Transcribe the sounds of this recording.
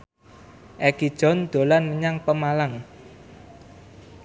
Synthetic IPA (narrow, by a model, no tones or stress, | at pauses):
ʔɛkid̥ʒ̥ɔ̤nd̪̥o̤lanməɲaŋpəmalaŋ